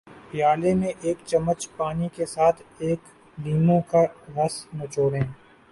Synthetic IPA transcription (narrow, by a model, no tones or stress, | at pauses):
pɪjaːlemẽʔeːkt͡ʃɐmːət͡ʃpaːnikesaːt̪ʰeːk | liːmõkaɣɐsnɐt͡ʃoːɽẽː